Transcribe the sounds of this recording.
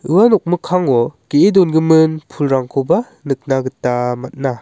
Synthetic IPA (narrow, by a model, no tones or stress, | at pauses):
ɯwanɔk̚mɯkʰaŋɔkeʔedɔnɡɯmɯnpʰulɾaŋkʰɔba | nɯk̚naɡɯtːamat̚na